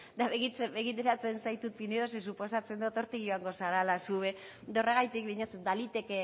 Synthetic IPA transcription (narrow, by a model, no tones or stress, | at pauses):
d̪aβeɣit͡sebeɣit̪eɾat͡se̞nsajt̪ut̪ineðos̬es̬upo̞sat͡se̞nd̪ot̪o̞ɾt̪iɣoaŋɡo̞saɾalasuβe̞ | d̪oreɣ̞ajt̪ik̚βiɲot͡sd̪alit̪e̞ke